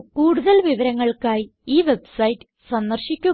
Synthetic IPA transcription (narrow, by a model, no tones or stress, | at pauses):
kuːɽuðɐlʋiʋɐɾɐŋːɐɭkaːjiiːʋebsɐjitːɨ̥ | sɐnd̪ɐrɕikʲːu